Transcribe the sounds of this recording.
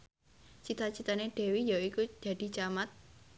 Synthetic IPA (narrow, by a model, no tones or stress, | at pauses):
t͡ʃit̪at͡ʃit̪aneɖ̥ɛ̤wijaikud͡ʒ̥a̤d̪̥i̤t͡ʃamat̪̚